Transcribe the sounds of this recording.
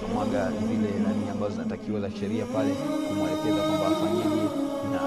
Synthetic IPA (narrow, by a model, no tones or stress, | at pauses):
mwaɠanivilɛnaniambazɔzinatakiwalaʃɛɾiapalɛkumwaɛpɛɡakaɓa̰taɲiiina